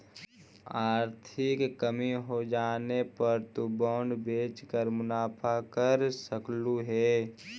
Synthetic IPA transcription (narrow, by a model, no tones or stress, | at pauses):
aːɾt̪ʰɪkːəmiɦod͡ʒaːnepəɾt̪ubɔːɳɖbeːt͡ʃkəɾmʊnaːpʰakəɾsəkluɦɛː